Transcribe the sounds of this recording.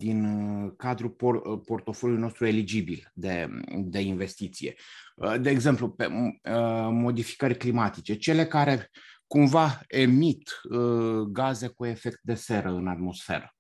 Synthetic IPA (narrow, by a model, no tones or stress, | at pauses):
d̪inkad̪ɾupopo̞rt̪o̞foljulino̞st̪ɾue̞lid͡ʒibild̪e̞d̪e̞inve̞st̪it̪sije̞̰d̪e̞ːɡze̞mplupe | mo̞d̪ifi̥kəɾʲklimat̪it͡ʃe̞t͡ʃe̞le̞kaɾe̞kumvae̞mit̪ | ɡaze̞kue̞fe̞kt̪̚d̪e̞se̞ɾəɨnat̪mo̞sfe̞̰ɾə̰